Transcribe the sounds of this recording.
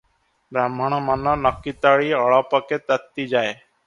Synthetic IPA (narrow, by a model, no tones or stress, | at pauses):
bɾamːəɳ̃manɔnəkːit̪aːɭiːɔɭaːpɔket̪ət̪ːiːd͡ʒaːe